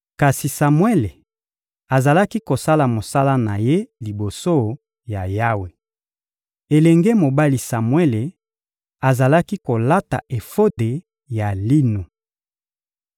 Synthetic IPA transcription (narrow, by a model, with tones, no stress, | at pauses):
ka˨si˨sa˨mwe˦le˨ | a˨za˨la˦ki˦ko˨sa˦la˨mo˨sa˦la˦na̰˨je˦li˨bo˨so˦ | ja˨ja˦we˨ | e˨lɛ˨ŋɡe˦mo˨ba˦li˨sa˨mwe˦le˨ | a˨za˨la˦ki˦ko˨la˦ta̰˨ʔe˨fo˦de˨ | ja˨li˦no˨